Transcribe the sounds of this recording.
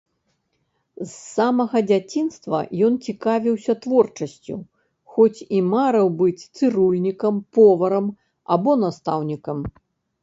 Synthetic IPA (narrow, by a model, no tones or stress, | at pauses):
zːamɐɣɐd͡zʲat͡sʲinst̪vɐ̰jɔnt͡sʲikavʲiwsʲɐt̪vɔrt͡ʂɐsʲt͡sʲṵ | xɔt͡sʲimaɾɐwbɨt͡sʲt̪sɨɾulʲnʲikɐmpɔvɐɾɐm | abɔnast̪awnʲikɐm